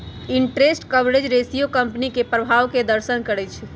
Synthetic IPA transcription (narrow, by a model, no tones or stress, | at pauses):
iɳʈɾesʈkəbɾed͡ʒɾesijokəmpnikepɾəbʱaʋked̪əɾsənkəɾɛt͡ʃʰ